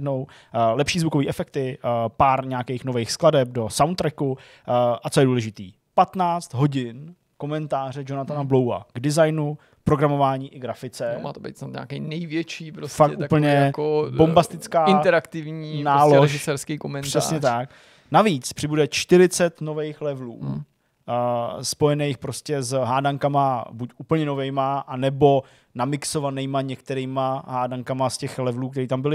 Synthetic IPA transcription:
dno̞w | lɛpʃiːzvuko̞viːʔɛfɛk̚t̪ɪpaːɾɲɛakejxnovejxskladɛp̚do̞sawnt̪ːɾɛku | ʔat͡sojɛduːlɛʒɪt̪iː | pat̪naːt͡st̪ɦo̞ɟɪn | ko̞mɛnt̪aːr̝ɛd͡ʒo̞nat̪anablo̞wa̰ɡdɪzajnu | pɾoɡɾamo̞vaːɲiːʔɪɡɾafɪt͡sɛma̰ːt̪obḛjt̪snat̪ɲa̰ːkɛjnɛjvjɛt͡ʃiːpɾosffaktʔupl̩ɲɛkobombast̪ɪt͡skaːɪnɛɾakt̪ɪvɲiːnaːloʃɪsɛɾskiːkomɛnr̥ɛasɲɛt̪ak̚ | naviːt͡spr̥ɪbudɛt͡ʃt̪ɪɾɪt͡sɛt̪no̞vejxlɛvlṵː | spojɛnejxpɾo̞scɛzɦaːdaŋkamabucuːpl̩ɲɛno̞vɛjmaʔanɛbo̞ | namɪkso̞vanɛjmaɲɛkt̪ɛɾiːmaɦaːdaŋkamascɛxlɛvluːk̚t̪ɛɾiːt̪ambɪlɪ

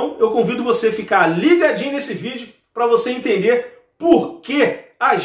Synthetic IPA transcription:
w̃ewkõvid̪ʊvosefikaɾliɡad͡ʒĩɲʊnesɪvid͡ʒʊ | pɾɐvoseẽnt̪ẽnd̪eɾ | poɾkeaʒ

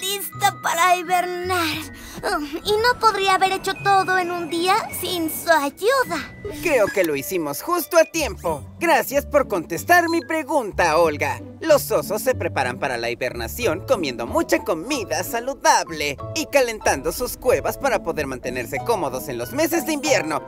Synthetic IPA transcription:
t̪ist̪apaɾaiβeɾnaɾ | ino̞po̞ðɾiaːβe̞ɾet͡ʃo̞t̪oðoenund̪iasinsuaʝuða | kɾe̞oke̞lo̞isimo̞sxust̪oat̪je̞mpo̞ɡɾasjaspo̞ɾko̞nt̪e̞st̪aɾmipɾe̞ɣunt̪ao̞lɡa | lo̞so̞so̞sːe̞pɾe̞paɾa̰mpaɾala̰iβe̞̰ɾna̰sjo̞ŋko̞mjend̪o̞̰mut͡ʃako̞miðasaluðaβle̞ikale̞nt̪and̪o̞suskwe̞βaspaɾapo̞ðe̞ɾmãnt̪ene̞ɾse̞ko̞mo̞ðo̞se̞nlo̞zme̞s̬e̞zðeimbje̞ɾno̞

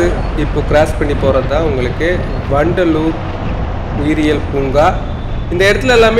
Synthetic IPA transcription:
ɯ | ɪpːoːkɪɾaːspɐɳːipoːɾɐt̪ãːʊŋɡɐɭɯkːɯ | ʋɐɳɖɐluːk | ʋiːɾɪjɐlpuŋɡaː | ɪnd̪ɐɪɽɐt̪ːɪlɛlːaːme

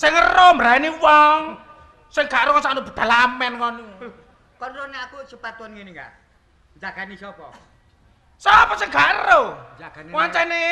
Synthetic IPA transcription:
sɪŋərombəɾainiwɔŋ | sɪŋɡaʔɾuŋɔnsanub̥ə̤d̪̥a̤lamɛnŋɔn | kɔrnoneakut͡ʃupat̪uwɔnŋiniŋa̰ | d͡ʒaɡaniɔpɔ | sɔpɔsɪŋɡaʔro | waɲt͡ʃɛne

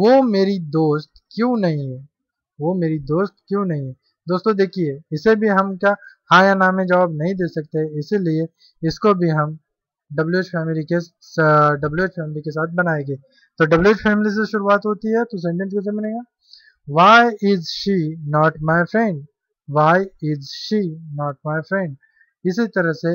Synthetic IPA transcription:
ʋoːmeːɾid̪oːst̪kjũːnɐɦĩɦɛ̃ | ʋomeːɾid̪oːst̪̚kjũnɐɦĩɦɛ̃ | d̪oːst̪õd̪eːkʰieːɪsebʱiɦɐmkahaːjanaːmẽd͡ʒɐʋaːbnɐɦĩd̪eːsɐk̚t̪eɦɛ̃ɪsilie | ɪskobʱiɦɐm | ɖɐbljueːt͡ʃfɛːmɪlike | ɖɐblueːt͡ʃfʰɛːmɪlikesaːt̪̚ʰbɐnaːẽɡeː | t̪oɖɐblueːt͡ʃfʰɛːmɪlis̬eʃʊɾuaːt̪ɦoːt̪iɦɛt̪os̬ẽːɳʈẽns̬kes̬emɐnẽːɡaː | ʋaːjɪzʃinɔːʈmaːɪfɾɛ̃ɳɖ | ʋaːjɪzʃiːnɔːʈ̚maːɪfɾɛ̃ɳɖ | ɪsit̪ɐɾəɦse

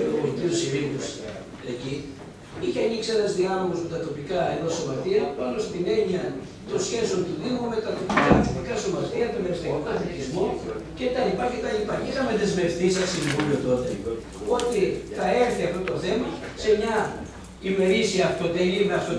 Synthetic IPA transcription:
polit̪iusiɾinus | eci | içeɐniksienɐzðiɐmolozme̞t̪ɐt̪o̞pikɐeðo̞so̞mɐt̪iɐpɐno̞st̪ine̞ɲiɐ | t̪o̞sçe̞so̞nt̪uðimume̞t̪ɐt̪o̞pikɐt̪o̞pikɐso̞mɐt̪iɐt̪omeɾist̪ikokɐθicizmocet̪ɐnipɐçet̪ɐipɐciðɐme̞ðe̞zme̞ft̪isɐsiɱvuliot̪o̞t̪e | o̞t̪iθɐe̞ɾθiɐft̪ot̪o̞θe̞mɐ | se̞mɲɐ | ime̞ɾisiɐːft̪ot̪elimeɐft̪o

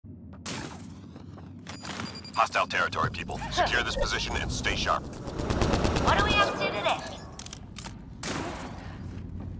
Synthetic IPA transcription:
hɑstaɪlˠtʰɛɹɨtʰɔ̰ɹipʰipəl̩ˠsəj̥ʊɹðɪspʰəzɪʃɨ̃nɨ̰̃nsteɪʃɑ̰ɹp̚ | wʌdəwiɛvdɨɾɨðɪ

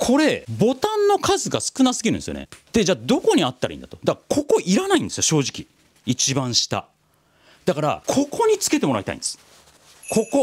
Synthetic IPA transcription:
kʰo̞ɾe̞bo̞t̪ãnːo̞kʰazɨɡasɨ̥kɯ̟nasɨɡʲiɾɯ̟nesɨo̰nḛd̪̥e̞d͡ʑaːd̪o̞ko̞ɲ̟iat̪ːaɾa̰ḭnd̪at̪od̪akkʰo̞ko̞ʔiɾanaĩnd̪esɨjo̞ɕo̞ːʑikʲi | it͡ɕibãɰ̃ɕi̥t̪a̰ | d̪̥akaɾa̰kʰo̞kʰo̞ɲ̟it͡sɨ̥ke̞t̪e̞mo̞ɾait̪a̰ḭnd̪e̞sɨ̥ | kʰo̞ko

